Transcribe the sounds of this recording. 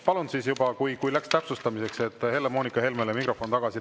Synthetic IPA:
pɑlund̪sisjubɑkujkujlækst̪æpsust̪ɑmise̞kse̞t̪ːˑhe̞lːemo̞ːnikːˑɑhe̞lme̞ːlemikro̞fˑo̞nt̪ɑɡ̥ɑsi

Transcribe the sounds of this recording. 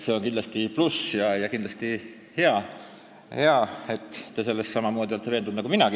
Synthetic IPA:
se̞o̞nkind̪lɑst̪iplusjɑjɑkind̪lɑst̪i | he̞ɑ | he̞ɑe̞t̪ːe̞se̞lːessɑmɑmo̞ːd̪̥ʲiolt̪eve̞ːnd̪und̪ɑkuminɑɡ̥i

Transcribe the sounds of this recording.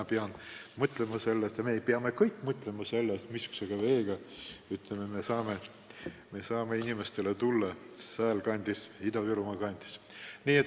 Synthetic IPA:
ɑpeɑnmɤt̪lemɑse̞lːest̪jɑmeːjpeɑme̞kɤjkːˑmɤt̪le̞mɑse̞lːest̪miskseɡ̥ɑve̞ːɡ̥ɑ | yt̪leme̞mesɑːme | me̞sɑːmeinimest̪e̞let̪ulːɑ | sæːlkɑnʲd̪̥isid̪̥ɑviɾumɑkɑnʲd̪̥i̥sniːe

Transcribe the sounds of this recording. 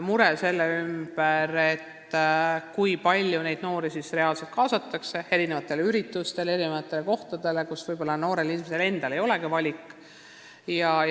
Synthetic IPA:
muɾe̞se̞lːeymb̥eɾe̞t̪ː | kujpɑlʲjune̞jd̪no̞ːɾisisre̞ɑːlse̞lt̪̚kɑːsɑt̪ːˑɑkse̞e̞ɾinevɑt̪ːˑe̞leyɾit̪ːˑust̪e̞lee̞ɾinevɑt̪ːˑe̞leko̞ht̪ud̪̥e̞le̞kusvɤjb̥o̞lːɑno̞ːɾe̞linimese̞le̞nd̪̥ɑlejo̞le̞ɡ̥ivɑlʲikːˑ | jɑ

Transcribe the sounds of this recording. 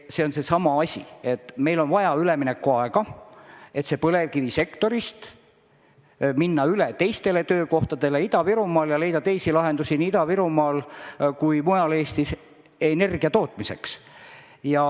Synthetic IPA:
se̞o̞nse̞sɑmɑɑsʲḭe̞t̪ːˑme̞jlo̞nvɑjɑyleminekːˑuɑeɡɑ | e̞t̪se̞pɤle̞vkivise̞kt̪o̞ɾist̪ | minːɑylet̪e̞jst̪e̞le̞t̪ø̞ːko̞ht̪ɑd̪̥e̞le̞id̪ɑviɾumɑːljɑle̞jd̪ɑt̪e̞jsilɑɦe̞nd̪usiniid̪ɑviɾumɑːlkujmujɑle̞ːst̪is | e̞ne̞rɡ̥iɑt̪o̞ːt̪ˑmise̞̰ks | jɑ

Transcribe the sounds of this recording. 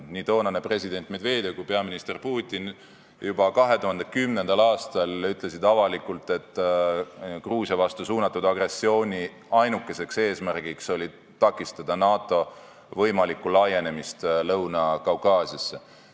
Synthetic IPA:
nid̪o̞ːnɑnepre̞sʲid̪e̞nʲt̪ːˑmed̪ve̞ːd̪e̞kupe̞ɑminist̪e̞rpuːt̪ʲːˑin | jubɑkɑɦe̞t̪uhɦɑnd̪ekymne̞nd̪̥ɑlɑːst̪ɑlyt̪ˑle̞sid̪ɑvɑlikːult̪ˑe̞t̪ː | kruːsjɑvɑst̪usuːnɑt̪ːˑud̪̥ɑɡre̞sːio̞ːnʲi | ɑjnukːe̞se̞kse̞ːsmærɡ̥ikso̞lʲi | t̪ɑkːˑist̪ɑd̪̥ɑnɑːt̪ːˑo̞ | vɤ̞jmɑlikːulɑje̞ne̞mist̪lɤwnɑkɑwkɑːsiɑsːe̞

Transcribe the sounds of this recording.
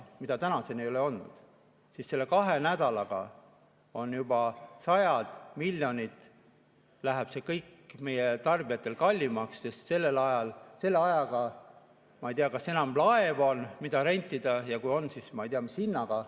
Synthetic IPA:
mid̪ɑt̪ænɑsenejo̞leo̞nːṵd̪̥ | sisse̞lːe̞kɑɦe̞næd̪̥ɑlɑɡ̥ɑ̰ | o̞njubɑsɑjɑd̪̥milʲːjo̞nʲit̪ːˑ | læɦæb̥se̞kɤjkme̞jet̪ɑrbijɑt̪ːˑe̞lkɑlʲːimɑksːe̞st̪se̞lːe̞lɑjɑlse̞lːeɑjɑɡ̥ɑ | mɑejt̪iɑkɑse̞nɑmlɑe̞vo̞nmid̪ɑɾenʲt̪ʲːˑid̪̥ɑjɑkujo̞nːsismɑejt̪iɑmisinːɑɡ̥ɑ

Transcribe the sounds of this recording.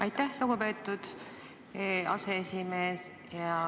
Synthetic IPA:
ɑjt̪ːˑæhluɡupe̞ːt̪ːˑud̪̥ | ɑ̰seesʲime̞ːs | jɑ

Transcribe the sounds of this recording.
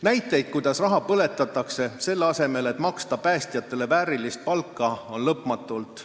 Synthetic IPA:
næjt̪ːˑe̞jd̪̥̚kujd̪̥ɑsrɑɦɑpɤle̞t̪ːˑɑt̪ːˑɑkse̞se̞lːeɑse̞me̞le̞t̪ːˑmɑkst̪ɑpæːst̪ijɑt̪ːˑe̞le̞væːɾilist̪̚pɑlkːˑɑo̞nlɤpmɑt̪ːˑult̪ˑ

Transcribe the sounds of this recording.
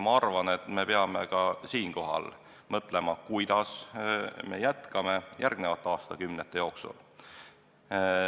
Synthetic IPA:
mɑɑrvɑne̞t̪me̞peɑme̞kɑsiːnko̞ɦɑ̰l | mɤt̪ˑle̞mɑkujd̪̥ɑs | me̞̰jæt̪kɑme̞jʔærɡ̥ne̞vɑt̪ːˑeɑːst̪ɑkymnet̪ˑːe̞jo̞ːksṵl

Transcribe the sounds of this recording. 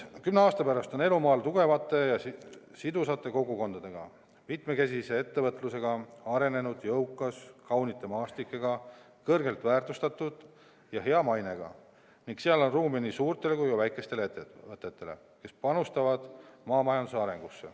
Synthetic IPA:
kymneɑːst̪ɑpæɾɑst̪o̞ne̞lumɑːlt̪uɡ̥e̞vɑt̪ːˑe̞jɑ | sid̪usɑt̪ˑːe̞ko̞ɡuko̞nd̪ɑd̪̥e̞ɡ̥ɑ̰ | mit̪me̞ke̞s̬ise̞e̞t̪ːe̞vɤt̪ːˑluse̞ɡɑɑɾe̞ne̞nud̪̥jɤwkːˑɑskɑwnit̪ːˑe̞mɑːst̪ikːˑeɡ̥ɑ | kɤrɡe̞lt̪væːrt̪ust̪ɑt̪ːˑud̪̥ | jɑɦe̞ɑmɑjne̞ɡ̥ɑ̰ | niŋkseɑlo̞nruːminisuːrt̪ˑe̞lekujkuvæjkˑe̞st̪e̞leet̪ːeɤt̪ːˑe̞t̪ːe̞le̞̰ | ke̞spɑnust̪ɑvɑd̪̥mɑːmɑjɑnd̪̥usɑɾe̞̰ŋɡ̥usːe̞̰

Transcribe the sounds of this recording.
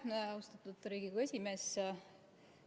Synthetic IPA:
neɑust̪ɑt̪ːˑud̪ɾiːɡiɡue̞sʲime̞s

